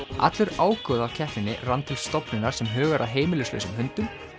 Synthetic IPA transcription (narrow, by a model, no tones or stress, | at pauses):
ʔa̰t̪lʏɾaːwkɔðawcʰɛhp̪nɪnːɪ̰rant̪ʰɪlst̪ɔpnʏnaɾ̥sɛmɦœːɣaɾʔaðɦeːjmɪlʏslœ̰ɥsʏmɦʏnt̪ʏm